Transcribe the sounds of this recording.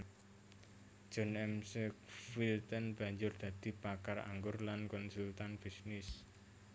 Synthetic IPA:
ʒ̥ɔ̤nɛmsɛkfilt̪ənb̥ä̤ɲd͡ʒʊrd̪̥ä̤d̪̥i̤pakara̰ŋɡʊrlankɔnsult̪anb̥i̤snɪs

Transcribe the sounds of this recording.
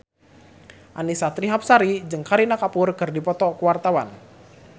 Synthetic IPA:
ʔanisat̪ɾiɦap̚saɾid͡ʒɨŋkaɾinakapʊrkɨrdipɔt̪ɔkəwart̪awan

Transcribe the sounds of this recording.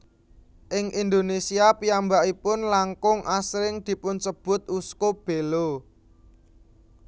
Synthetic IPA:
ʔɪŋʔind̪onesiapiambaʔipʊnlaŋkʊŋʔasɾɪŋd̪̥i̤pʊnsəb̥ʊ̤t̪̚uskob̥e̤lo

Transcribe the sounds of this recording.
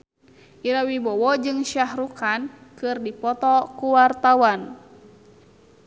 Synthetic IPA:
ʔiɾawibɔwɔd͡ʒɨŋʃahɾukankɨrdipɔt̪ɔkuwart̪awan

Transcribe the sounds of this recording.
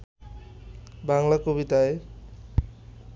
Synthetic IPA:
baŋlakobit̪ae

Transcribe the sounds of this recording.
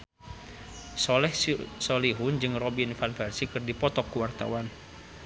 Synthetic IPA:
sɔlɛhsɔliɦund͡ʒɨŋrɔbinfanfɛrsikɨrdipɔt̪ɔkːuwart̪a̰wan

